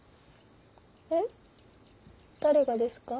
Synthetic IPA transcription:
e | t̪aɾe̞ɡad̪e̞sɨ̥ka

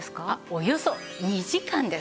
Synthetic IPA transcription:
sɨ̥kaojo̞so | iːʑikãnd̪e̞

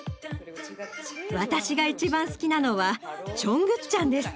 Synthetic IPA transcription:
βat̪aɕiɡait͡ɕibãɰ̃sɨ̥kʲinano̞βat͡ɕõ̞ŋɡɯ̟tt͡ɕːãnd̪e̞sɨ̥

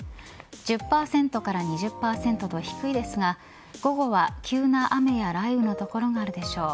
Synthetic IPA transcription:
d͡ʑɨpːaːsẽ̞nt̪o̞kaɾaɲ̟iʑɨpːaːsẽ̞nt̪o̞t̪o̞çi̥kɯ̟id̪e̞sɨɡa | ɡ̥o̞ɡo̞βakʲɨːnaʔame̞jaɾaibɯ̟no̞t̪o̞ko̞ɾo̞ɡaːɾɯ̟d̪e̞ɕo̞ː

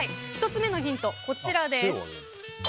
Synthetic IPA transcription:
içʲi̥t̪o̞t͡sɨme̞no̞çʲĩnt̪o̞ko̞t͡ɕiɾad̪e̞s

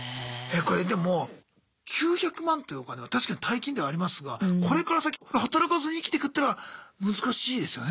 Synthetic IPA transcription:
eːko̞ɾe̞d̪e̞mo̞ | kʲʰɨːçakɯ̟mãnt̪ojiokaneat̪aɕi̥kaɲ̟i̥t̪ʰaikʲĩnd̪e̞βaːɾʲimasɨɡako̞ɾe̞kaɾasakʲiehat̪aɾakazɨɲ̟iːkʲi̥t̪ekɯt̪ːaɾaamɯ̟zɨkaɕiːd̪e̞sɨjon

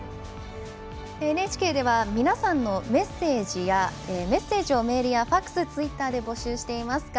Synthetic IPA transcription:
neːt͡ɕi̥ke̞ːd̪e̞βamʲinasãnːo̞me̞se̞ːʑijaeme̞se̞ːʑio̞me̞ɾʲijaɸakːɯ̥sɨt͡sɨit̪ːaːd̪e̞bo̞ɕɨːɕi̥t̪e̞imasɨ̥ka

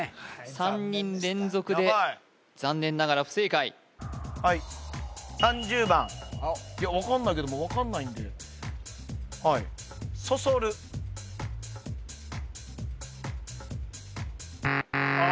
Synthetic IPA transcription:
sãɲ̟ːĩnɾẽ̞nzo̞kɯ̟d̪e̞ | d͡zãnːẽ̞nːaɡaɾaɸɯ̟sɨikaḭ | hai | sãɲ̟d͡ʑɨːbãŋjaβakãnːaike̞d̪omoβakãnːaĩnd̪e | hai | so̞soɾɯ̟

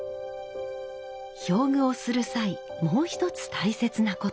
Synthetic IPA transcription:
ço̞ːmɯ̟o̞sɨɾɯ̟sai | mo̞ːçi̥t̪o̞t͡sɨ̥t̪ʰaise̞t͡sɨnako̞

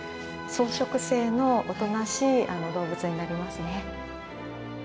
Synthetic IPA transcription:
so̞ːɕo̞kɯ̟se̞ːno̞ot̪o̞naɕiːʔano̞d̪o̞ːbɯ̟t͡sɨɲ̟inaɾʲimasɨne̞

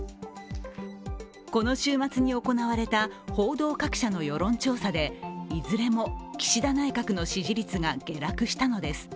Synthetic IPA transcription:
ko̞no̞ɕɨːmat͡sɨɲ̟io̞ko̞naβaɾe̞t̪aho̞ːd̪o̞ːkakɯ̥ɕano̞jo̞ɾõ̞ɲ̟t͡ɕo̞ːsad̪e̞izɨɾe̞mo̞kʲi̥ɕid̪anaikakɯ̟no̞ɕiʑiɾʲit͡sɨɡaɡ̥e̞ɾakɯ̟ɕi̥t̪ano̞d̪e̞sɨ̥

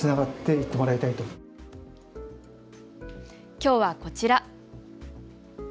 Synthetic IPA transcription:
ɨnaɡat̪ːe̞it̪ːe̞mo̞ɾait̪ait̪o̞ | kʲo̞ːβako̞t͡ɕiɾa

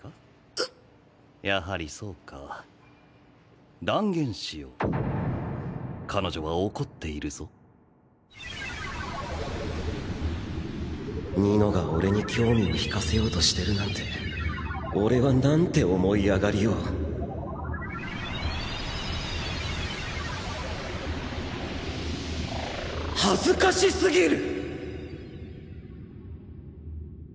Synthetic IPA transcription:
a | jaɦaɾʲiso̞ːkʰa | d̪ãŋɡẽ̞ɰ̃ɕijo̰ | kʰano̞ʑo̞βaoko̞t̪ːe̞iɾɯ̟z̥o̞ | ɲino̞ɡao̞ɾe̞ɲ̟ikʲo̞ːmʲioçi̥kase̞jo̞ːt̪o̞ɕi̥t̪e̞ɾɯ̟nãnt̪e̞ | o̞ɾe̞βanãnt̪e̞o̞mo̞iaɡaɾʲijo̞ː | hazɨkaɕisɨɡʲiɾɯ̟

